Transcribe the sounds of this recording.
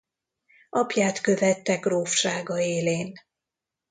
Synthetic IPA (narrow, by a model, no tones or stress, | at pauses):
ʔɒpjaːt̪kø̞vɛt̪ːɛkroːfʃaːɡɒeːleːn